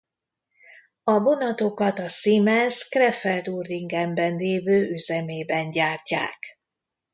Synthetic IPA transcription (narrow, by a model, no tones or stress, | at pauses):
ɒbo̞nɒt̪o̞kɒt̪ɒsimɛskrɛfɛlt̪urd̪iŋɡɛmbɛnleːvøːʔyzɛmeːbɛnɟaːrca̰ːk